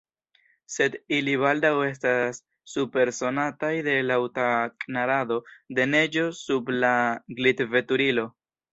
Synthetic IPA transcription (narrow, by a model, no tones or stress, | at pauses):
se̞diliβaldawe̞s̬tasː | upe̞ɾso̞natajde̞lawtakʼnaɾado̞de̞ne̞d͡ʒo̞sublaɡlitve̞tuɾilo̞